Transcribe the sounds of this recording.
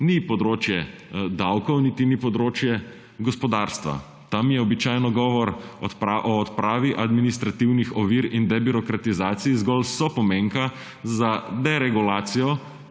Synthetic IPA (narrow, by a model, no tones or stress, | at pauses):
nipɔd̪ɾoːt͡ʃjɛd̪awkɔwnit̪inipɔd̪ɾoːt͡ʃjɛ | ɡɔspɔd̪aːɾst̪ʋa̰ | t̪amjɛɔbit͡ʃajnɔɡɔːʋɔɾɔpaʔɔːt̪pɾaːʋiʔad̪minist̪ɾat̪iwnixɔʋiɾind̪ɛbiɾɔkɾat̪izaːt̪sijzɡɔlsɔpɔmeŋka | zad̪ɛɾɛɡulaːt̪sijɔ